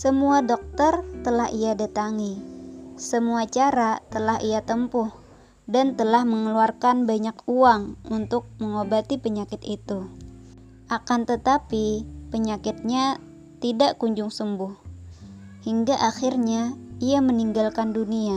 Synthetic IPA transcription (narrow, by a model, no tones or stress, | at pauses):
səmuadɔk̚t̪ərt̪əlaɦiadat̪aŋi | səmuat͡ʃaɾat̪əlaɦijat̪əmpʊh | dant̪əlahməŋəluarkanbaɲakuaŋunt̪ʊk̚məŋobat̪ipəɲakɪt̪it̪u | ʔakant̪ət̪apipəɲakɪt̪̚ɲa | t̪idaʔkuɲd͡ʒʊŋsəmbʊh | hiŋɡaʔaxɪrɲaijaməniŋɡalkandunia